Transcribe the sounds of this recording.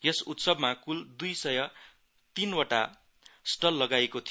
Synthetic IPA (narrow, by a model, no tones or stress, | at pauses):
jʌsut̪sʌbmakuld̪ujsʌjʌ | t̪inwaʈa̰ | sʈʌlːʌɡaekot̪ʰi